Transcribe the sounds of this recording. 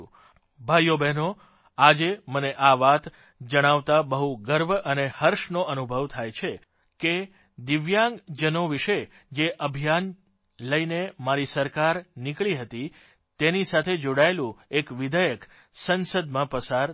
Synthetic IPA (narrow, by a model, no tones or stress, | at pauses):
bʱajobɛno | ad͡ʒeməneʔaʋat̪ | d͡ʒəɽ̃aʋt̪abəɦuɡəɾʋənehəɾʃnoʔənubʱəʋt̪ʰajt͡ʃʰe | ke | d̪ɪʋjãŋɡd͡ʒənoʋiʃe | d͡ʒeʔəbʱijan | ləinemaɾisəɾkaɾnikɭiɦət̪i | t̪enisat̪ʰed͡ʒoɽaelũekʋid̪əjək | sənsəd̪mãpəsaɾ